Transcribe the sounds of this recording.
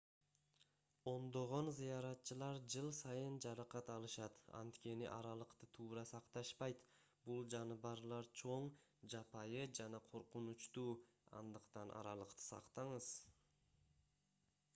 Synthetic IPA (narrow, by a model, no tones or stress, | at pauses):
o̞nd̪o̞ʁo̞nzijɑɾɑt̪t͡ʃɯlˠɑɾd͡ʒɯlˠsɑjɯnd͡ʒɑɾɑqɑt̪ɑlˠɯʃɑt̪ɑ̰nt̪kʲe̞nḭʔɑ̰ɾɑlˠəqt̪ɯt̪ʰuːɾɑsɑqt̪ɑʃpɑjt̪ | bulˠd͡ʒɑnɯβɑɾlˠɑɾt͡ʃʰo̞ɴd͡ʒɑpɑjɯd͡ʒɑnɑqʰo̞ɾqunut͡ʃt̪uːɑ̰nd̪ɯqt̪ɑnʔɑ̰ɾɑlˠəqt̪ɯ̥sɑ̰qt̪ɑɴəz̥